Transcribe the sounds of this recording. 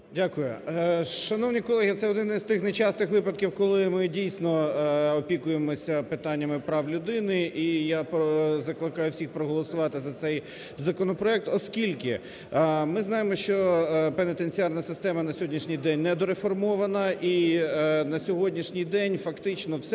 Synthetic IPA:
dʲakʊjʊʃɐnɔwnʲijkɔlˠɛɦʲit̪sɛɔd̪ɪnɪzt̪ɪxnejt͡ʃɑst̪ɪxʋɪpɐd̪̚kʲiwkɔlˠɪmɪdʲijsʲnɔɔpʲikʊjemɔsʲɐpɪt̪ɑnʲːɐmɪpɾɑwlʲʊd̪ɪnɪʔijapɔzɐklˠɪkɑjʊwsʲixpɾɔɦɔlˠɔsʊʋɑt̪ɪzɐt̪sɛj | zɐkɔnɔpɾɔɛk̚t̪ɔskʲilʲkɪ | mɪznɑjemɔʃt͡ʃɔpenɪt̪enʲt͡sʲiɑrnɐsɪst̪ɛmɐnɐsʲɔɦɔdʲnʲiʃnʲijd̪ɛnʲnɛd̪ɔɾefɔrmɔʋɐnɐʔi | nɐsʲɔɦɔdʲnʲiʃnʲijd̪ɛnʲfɐkt̪ɪt͡ʃnɔwsɛ

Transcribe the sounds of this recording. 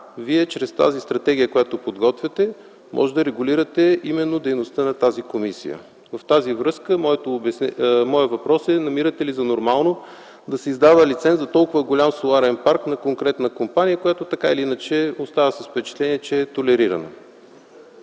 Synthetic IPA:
viɛt͡ʃɾɛst̪a̰zist̪ɾɐt̪ɛɡ̟ʲijəkojat̪opod̪ɡɔt̪vʲɛt̪ɛ | mʔɔ̰ʒɛd̪ɐɾɛɡʊliɾət̪ɛimɛnːod̪ɛjnost̪ənɐt̪azikomisḭjə̰ | vɐft̪azivɾɤskəmɔɛt̪obɛsmɔɛvɐpɾɔsɛnɐmiɾət̪ɛlizɐnoɾmalˠno | d̪ɐsɛizd̪avəlit̪sɛnt̪ɐt̪ɔlˠkʊvəɡolʲamsolˠaɾɛnpaɾknɐkoŋkɾɛt̪nəkompanijəkojat̪ot̪ɐkailiinət͡ʃɛost̪avəsɐsfpɛt͡ʃɛ̥t̪lɛniɛt͡ʃɛːt̪olɛɾiɾə̰nə̰

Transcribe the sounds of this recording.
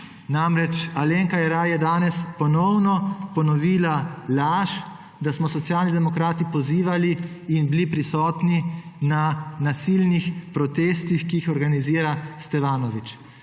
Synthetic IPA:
namɾɛt͡ʃaleːŋkajɛɾajɛd̪aːnɛspɔnɔwnɔpɔnɔʋiːlalaːʃ | d̪asmɔsɔt̪sjaːlnid̪ɛmɔkɾaːt̪ipɔziːʋaliː | nbilipɾisɔːt̪ninanasilnixpɾɔt̪eːst̪ixkiixɔɾɡaniziːɾast̪ɛʋaːnɔʋit͡ʃ

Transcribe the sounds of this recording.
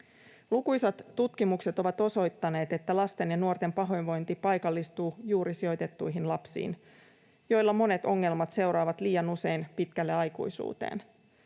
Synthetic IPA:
lukujsɑt̪ːut̪kimukset̪o̞ʋɑt̪o̞so̞jt̪ːɑne̞ːt̪e̞t̪ːælɑst̪e̞njɑnuo̞rt̪e̞mpɑɦo̞jnʋo̞jnt̪ipɑjkɑlːist̪uːjuːɾisio̞jt̪e̞t̪ːujɦinlɑpsḭːn | jo̞jlːɑmo̞ne̞t̪o̞ŋːe̞lmɑt̪se̞uwɾɑːʋɑt̪liːjɑnuse̞jnpit̪kælːeɑjkṵjsṵːt̪ḛːn

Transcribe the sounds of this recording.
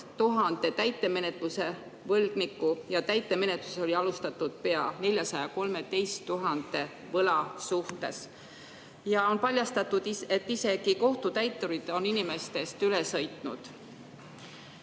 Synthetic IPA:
t̪uɦɑnd̪̥e̞t̪æjt̪ːˑe̞me̞ne̞t̪ˑluse̞ | vɤlɡ̥nikːˑujɑt̪æjt̪ːˑe̞me̞net̪luso̞liɑlust̪ɑt̪ːˑud̪̥̚pe̞ɑne̞lʲjɑsɑjɑko̞lme̞d̪e̞jst̪ːuɦɑnd̪̥e̞ | vɤlɑsuht̪e̞s | jɑo̞npɑlʲjɑst̪ɑt̪ːud̪̥iet̪ːise̞ɡ̥iko̞ht̪ut̪æjt̪ːˑuɾid̪̥o̞ninime̞st̪e̞st̪ylesɤ̞jt̪ˑnṵd̪̥

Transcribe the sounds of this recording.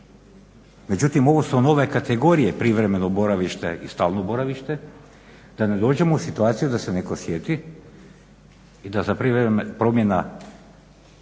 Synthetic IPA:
me̞d͡ʑut̪imo̞ʋosuno̞ʋe̞kat̪eɡo̞ɾijepɾiʋɾe̞me̞nobo̞ɾaʋiʃt̪ḛʔist̪aːlˠnobo̞ɾaʋiʃt̪e̞ | d̪ane̞d̪o̞ːd͡ʑe̞mousit̪uaːt̪sijud̪asene̞ko̞sjet̪i | d̪azapɾiepɾo̞mje̞na

